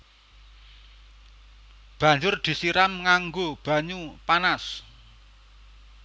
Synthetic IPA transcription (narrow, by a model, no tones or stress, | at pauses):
b̥a̤ɲd͡ʒʊrd̪̥i̤siɾamŋaŋɡob̥a̤ɲupanas